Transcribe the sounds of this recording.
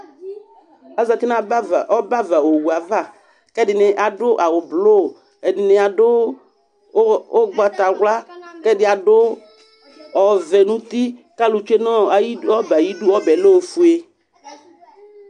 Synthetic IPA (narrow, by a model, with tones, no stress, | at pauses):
a˨za˨t̪i˦nã˦˨ɔ˦ba˦va˨wo˨wu˨a˨va˦˨ | kɛ˦dɪ˨nɪ˨ʔa˨ɖʊ˦ʔa˨wʊ˨blo˦˨ | ɛ˨dɪ˨nɪ˨a˨ɖʊ˦ | o˦ɡ͡ba˦t̪a˨ɣla˦kɛ˦ɖɪ˦a˨ɖʊ˦ | ɔ˨vɛ˨nũ˦t̪i˦ka˦lu˨t͡ʃe˦nɔ̃˦˨i˦ɔ˦ba˨ji˦ɖu˦ɔ˦bɛ˨lo˦wo˨fu˦e˦